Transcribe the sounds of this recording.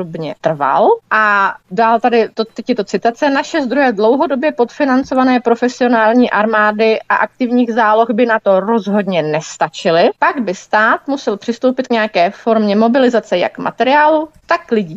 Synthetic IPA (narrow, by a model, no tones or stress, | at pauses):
obɲɛt̪r̩va̰lʔadaːlt̪adɪt̪ot̪ɛcjɛt̪o̞t͡sɪt̪at͡sɛnaʃɛzd̪ɾojɛdlo̞wɦo̞do̞bjɛpot̪fɪnant͡so̞vanɛːpɾo̞fɛsɪo̞naːlɲiːʔaɾmaːdɪʔa̰ʔak̚t̪ɪvɲiːɣzaːlo̞xbɪnat̪o̞ɾo̞zɦo̞dɲɛnɛst̪at͡ʃɪlɪpaɡbɪst̪aːt̪musɛlpr̥ɪst̪owpɪt̪̚kɲɛjakɛːfo̞ɾmɲɛmo̞bɪlɪzat͡sɛja̰kma̰t̪ɛɾɪaːlut̪akːlɪɟiː